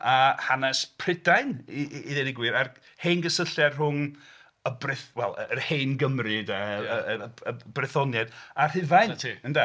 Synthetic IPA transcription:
ahanɛspʰrɪdaɨniːðɛnɪɡwɨɾar | hejnɡəsəɬɛrɦʊŋ | əbrɪθwɛlˠəərhejnɡəmrɨdaəəəəbrɪθɔnjɛdar̥ɪvajntʰiənda

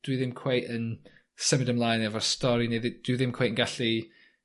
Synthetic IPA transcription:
d̥ɨðɛmkʰw̥eʔə̃n | sɪmədəmlˠaɪ̃nəvəstɔɹineðed̥ɨðɛmkʰw̥eɪʔə̃n̩ɡaɬi

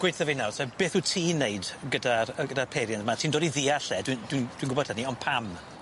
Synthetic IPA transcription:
ɡ̥wejθɔvinasɛb̥eːθuːtʰiːnejdɡədaəɡədapʰeɾjandmatʰiːndɔːdiðiːaɬɛdwind̥wind̥winɡʊbɔd̥həniɔnpʰam

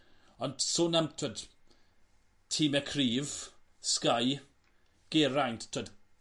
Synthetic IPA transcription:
ɔnsoːnamtʰwəd̥ | tʰiːmɛkʰriːv̥skaj | ɡ̥ɛɾajnttʰwəd

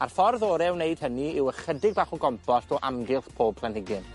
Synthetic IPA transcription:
arfɔrðɔːɾɛwneɨd̥həniɪwəχədɪɡ̚baːχɔɡɔmpʰɔstɔʔamɡɪlˠθpʰoːb̚pʰlˠanhɪɡɨn

